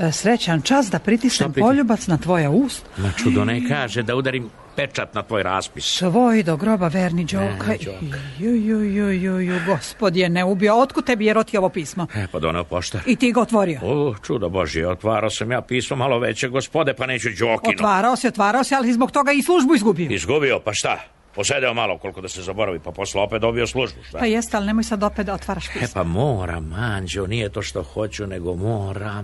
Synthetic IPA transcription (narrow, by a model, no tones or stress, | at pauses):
sɾe̞t͡ɕant͡ʃasd̪apɾit̪isnempoʎubat̪snat̪ʋo̞jauːst̪mat͡ʃud̪onekaːʒed̪aud̪aɾim | pet͡ʃat̪nat̪ʋoːjɾa̰ːspisʋojd̪oɡɾo̞baʋeːɾnid͡ʑokʰajujujujujuɡo̞spod̪jeneubioot̪kut̪t̪ːebijeɾot̪ioʋopiːsmoɛpad̪o̰nɛopo̰ʃt̪aɾit̪iːɡaot̪ʋo̞ɾioot͡ʃud̪oboʒieot̪ʋaːɾaosamjaːpiːsmomaloʋet͡ɕeɡospod̪epaneːt͡ɕud͡ʒokoinʋaːɾaosiot̪ʋaːɾaosɛalisizboɡt̪o̞ɡaislˠuʒbuizɡubioizɡubiopaʃt̪a | osed̪eomaloko̞lˠkod̪asezabo̞ɾaʋipaposleopet̪obioslˠuʒbuʃt̪apajest̪ealnemojsad̪o̞pet̪d̪aot̪ʋaːɾaʃpiːepamoːɾa̰maːɲd͡ʑenijet̪oːʃt̪oxo̞t͡ɕuneɡomoːɾam